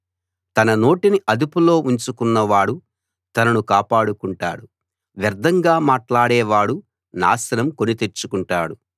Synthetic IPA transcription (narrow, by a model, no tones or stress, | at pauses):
t̪ɐnɐno̞ːʈiniʔɐd̪upulo̞ːʔuɲt͡ʃukunːɐʋaːɽu | t̪ɐnɐnukaːpaːɽukuɳʈa̰ːɽu | ʋɐɾd̪ʱɐŋɡaːmaːʈlaːɽɛːʋaːɽu | na̰ːsɐnɐmkonit̪e̞t͡ʃukuɳʈaːɽu